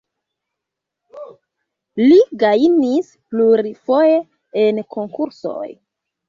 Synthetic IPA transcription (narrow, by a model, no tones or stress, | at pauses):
liɡainis | pluɾifo̞je | enkʰo̞ŋkuɾso̞̰j